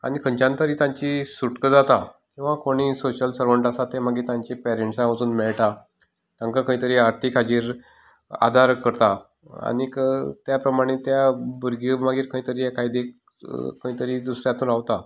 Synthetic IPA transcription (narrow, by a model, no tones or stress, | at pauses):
a̰ɽ̃ikʰə̃ɲt͡ɕãnt̪əɾiːt̪ãɲt͡ɕisuʈkəd͡zat̪a | kĩw̃ʋakoɽ̃iːsoɕəlsəɾʋəɳʈasat̪emaɡiːɾt̪ãɲt͡ɕipɛɾeɳʈsãʋət͡suːnmɛɭʈa | t̪ãŋkakə̃ĩt̪əɾiːaɾt̪ʰikʰad͡ʑiːɾ | a̰d̪ʱaɾkəɾt̪a | a̰ɽ̃ikət̪japɾəmaɽ̃et̪jabuɾɡimaɡiːɾkʰə̃ĩt̪əɾiːekʰajd̪e | kə̃ĩt̪əɾiːd̪usɾjãt̪ũːnɾaʋt̪a